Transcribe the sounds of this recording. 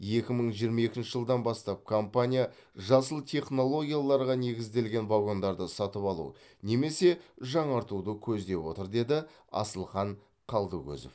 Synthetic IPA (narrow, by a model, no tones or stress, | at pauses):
je̞kʲɪməɴʒijəɾmɑe̞kʲɪnʃɪʒəlˠd̪ɑnbɑst̪ɑp̚kʰo̞mpanʲija | ʒɑsəlˠt̪ʰe̞χno̞lˠo̞ɡʲijalˠɑɾʁɑne̞ɡʲɪzd̪e̞lɡʲe̞nvaɡo̞nd̪ɑɾd̪əsɑt̪əpɑlˠṵ | ne̞me̞se̞ʒɑɴɑɾt̪ud̪əkʲʰɵzd̪e̞pwo̞t̪əɾd̪e̞d̪ɪ | ɑ̰səlˠχɑɴ | qʰɑlˠd̪əkʲɵ̰zɪ̰f